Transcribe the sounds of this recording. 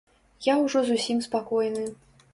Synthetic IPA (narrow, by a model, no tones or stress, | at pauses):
jawʐɔzusʲimspakɔjnɨ